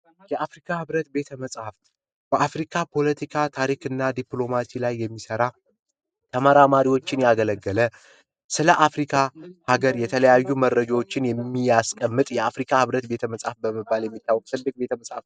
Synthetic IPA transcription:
jɛʔafɾikʰahɨβɾət̪̚be̞t̪ʰəməsʼhaft̪ | b̥əʔafɾikʰapʰo̞lət̪ʰikʰat̪ʰaɾikɨnːad̪iplo̞masilajːɛmːisəɾa | t̪ʰəməɾamaɾiwo̞t͡ʃːɪnjaɡələɡːələ | sɨləʔafɾikʰahaɡəɾjɛt̪ʰələjajːuməɾːəd͡ʒawo̞t͡ʃːɪnjɛmːijaskʼəmːɨt̪ʼjɛafɾikʰahɨβɾət̪be̞t̪ʰəməsʼhafbəmɨbːaljɛmːit̪ːawːɔkʼt̪ʰɨb̪ːɨkʼbe̞t̪ʰəməsʼhaft̪

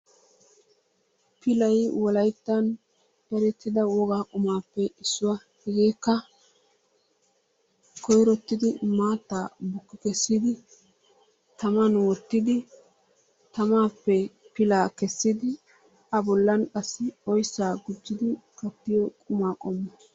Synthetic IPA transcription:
pɪlɐjwɔlɐjt̪ːɐn | ɛɾɛt̪ːɪd̪ɐwɔɡaːkʼʊmaːpːɛɪsːʊwa | hɛɡeːkːɐ | kʰɔjɾɔt̪ːɪd̪ɪmaːt̪ːaːbʊkːɪkɛsːɪd̪ɪ | t̪ɐmɐnwɔt̪ːɪd̪ɪ | t̪ɐmaːpːɛpɪlaːkɛsːɪd̪ɪ | ɐbɔlːɐnkʼɐsːɪɔjsːaːɡʊd͡ʒːɪd̪ɪkɐt̪ːɪjɔkʼʊmaːkʼɔmːɐ

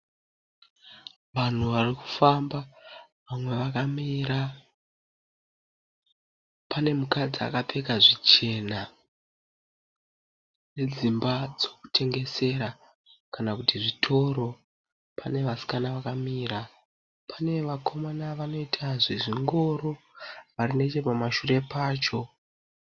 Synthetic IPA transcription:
ʋan̤uʋariku̥famba | amwe̞ʋakamiɾa | pane̞mukad͡zia̰kape̞kaʐit͡ʃe̞ːna | ne̞d͡zimbad͡zoku̥tʰe̞ŋɡe̞se̞ɾa | kanakutiʐitʰo̞ɾo̞ | pʰane̞ʋasi̥kanaʋakamiːɾa | pane̞ʋakʰo̞manaʋano̞itʰaʐiʐiŋɡo̞ɾo̞ | ʋaɾine̞t͡ʃe̞pamaʃure̞paːt͡ʃo̞

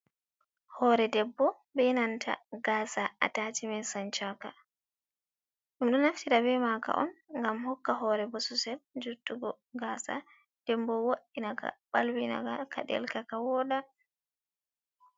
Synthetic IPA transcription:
hɔɾɛdɛbːɔ | bɛnantʰa̰ɡaːsaa̰tatimɛsant͡ʃaka | ɗumɗɔnaftiɾabɛmaka̰ʔɔ̰nŋɡamhɔkːaɦɔːɾɛbɔsusɛld͡ʒutːuɡɔ | ɡaːsa̰ | d̥ɛmbɔwoɗinaɡa̰ɓalwina̰ɡakaɗɛ̰lkakawɔɗa

